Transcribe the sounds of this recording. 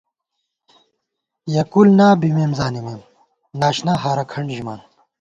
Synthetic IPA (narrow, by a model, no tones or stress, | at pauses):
jɐkulnaːbimeːmzaːnimeːm | naːɕnaːɦaːɾɐkʰɐɳɖʑima̰ːn